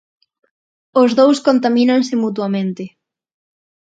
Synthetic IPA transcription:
ozðowskont̪amĩnaŋsɪmut̪wamẽnt̪ɪ

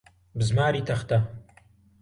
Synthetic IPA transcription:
bɨzmaːɾiːt̪ʰɐxt̪ɐ

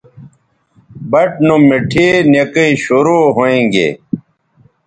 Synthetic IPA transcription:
bɐʈ̚numiʈʰiːnjekɐiɕoɾoːɦoẽŋɡḛ

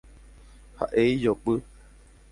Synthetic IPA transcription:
ha̰ʔeijoɓɨ

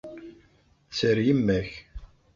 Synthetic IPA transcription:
t͡sːəɾjimːæç

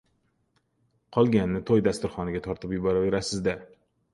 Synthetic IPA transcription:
qʰɒlˠɡʲanːɪt̪ʰojd̪ast̪ʊɾχɒnɪɡʲat̪ʰɒɾt̪ʰɪpjʊbɒɾaveɾasɪzd̪a

